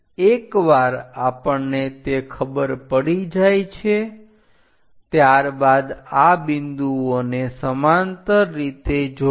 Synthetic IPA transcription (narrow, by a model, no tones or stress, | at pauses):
ekʋaɾapəɳnet̪ekʰəbəɾpəɽid͡ʒajt͡ʃʰe | t̪jaɾbad̪abɪnd̪uonesəmant̪əːit̪ed͡ʒo